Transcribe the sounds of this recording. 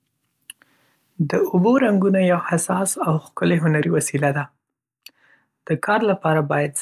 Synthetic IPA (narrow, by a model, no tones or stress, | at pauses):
d̪əʊboɾaŋɡunajawhasɑsawxkəleɦʊnaɾiwasilad̪a | d̪̥əkʰɑɾlapɑɾabɑjad̪z